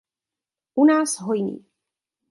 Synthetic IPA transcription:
ʔunaːsɦojnḭː

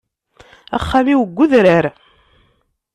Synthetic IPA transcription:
æ̰χːamiwəɡʷːʊðɾəɾ

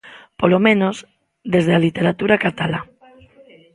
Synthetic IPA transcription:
polomẽnoz | ðezðealit̪eɾat̪uɾakat̪ala

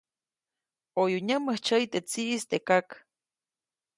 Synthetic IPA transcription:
ojuɲəməht͡ʃəjt̪et͡siʔːst̪ekak

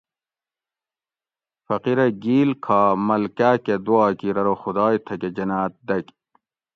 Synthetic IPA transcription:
fɐqiɾɐɡiːlkʰaːmɐlkaːked̪uɑːkiɾɐɾoxud̪ɑːjt̪ʰɐked͡ʑɐnaːt̪̚d̪ɐk

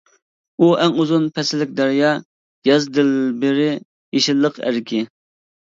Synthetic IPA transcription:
uʔɛŋuzunpʰɛsɪlːɪk̚ʲd̪æɾjɑː | jɑzd̪ɪlbɪɾɪ | jeʃɪlˠːəqæ̰ɾkʲʰɪ

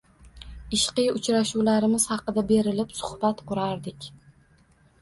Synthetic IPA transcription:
ɪʃqɨjʊt͡ʃɾaʃuwlaɾɪmɪz̥hɑqɨd̪abe̞ɾɪlɪpsʊ̥hb̥at̪qʊɾaɾd̪ɪkʲ

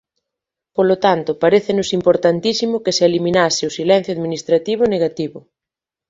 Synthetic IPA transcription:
polot̪ant̪ʊpaɾeθenosimpoɾt̪ant̪isimokesealimĩnaseʊsilɛn̟θjoaðminist̪ɾat̪iβ̞ʊneɣat̪iβʊ

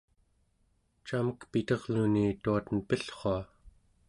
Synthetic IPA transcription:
t͡ʃaməkpit̪ʌʁnuniːt̪uat̪ənpəɬχoa

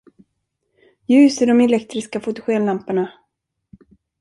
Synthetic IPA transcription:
jʉ̟ːsɪɖɔmɛlɛkt̪ɾɪskafʊt̪ʊɧeːnlampaɳa

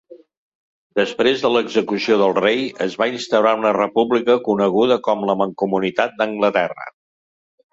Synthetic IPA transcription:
d̪əspɾezðələɡzəkusioðəlˠrejəzβainst̪əwɾaunərəpuβlikəkunəɣ̞uðəkɔmləməŋkumunit̪at̪̚d̪əŋɡlət̪ɛrə̰

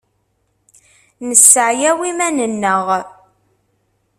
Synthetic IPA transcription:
nəsːəʕjæwimænənːəʁ

